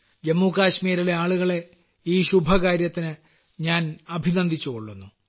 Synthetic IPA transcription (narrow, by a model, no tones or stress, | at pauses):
d͡ʑemːuːkaːɕmiːɾileaːɭuɣɐɭe̞ | iːɕubʱɐkaːɾjɐt̪ːinɨ | ɲaːnɐbʱinɐnd̪ʱit͡ɕːuɣoɭːunːu